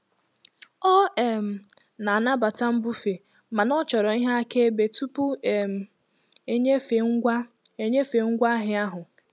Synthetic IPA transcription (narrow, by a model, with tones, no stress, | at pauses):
ɔ˦e˨m̩˨ | na˨a˨na˦ba˨ta˦m̩˦bʊ˦fe˨ | ma˨nɔ˦t͡ʃɔ˨ɾɔ˨i˦ɦa˦a˦ke˦be˨tu˦pu˦e˨m̩˨ | e˦ɲe˦fe˨ŋ̩˦ɡʷa˦ | e˨ɲe˦fe˨ŋ̩˦ɡʷa˦ɦɪ˦a˦ɦʊ˨